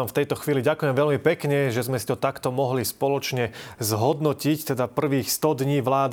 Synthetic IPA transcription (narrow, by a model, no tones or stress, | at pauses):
amft̪ɛjt̪ɔxʋiːliɟakujɛmʋɛlmipɛkɲɛʒɛzmɛsi̥t̪ɔt̪akt̪ɔmɔɦlispɔlɔt͡ʃɲɛzɦɔd̪nɔcict̪ɛd̪apr̩ʋiːxst̪ɔd̪ɲiːʋlaːd̪